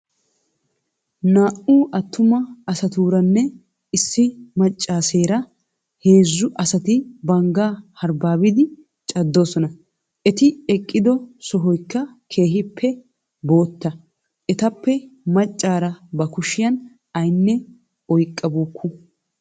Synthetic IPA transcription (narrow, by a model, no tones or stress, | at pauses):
naːʔuːʔɐt̪ːʊmɐɐsɐt̪uːɾɐnːɛ | ɪsːɪmɐt͡ʃʼːaːseːɾɐ | he̞ːzːʊʔɐsɐt̪ɪbɐŋɡaːhɐɾbaːbɪd̪ɪ | t͡ʃʼɐd̪ːo̞ːsɔnɐ | ɛt̪ɪɛkʼːɪd̪ɔsɔɦɔjkːɐkʰe̞ːɦɪpʰːɛ | bo̞ːt̪ːɐ | ɛt̪ɐpːɛmɐt͡ʃʼːaːɾɐbɐkʊʃɪjɐn | ɐjnːɛ | ɔjkʼːɐbuːkʰːʊ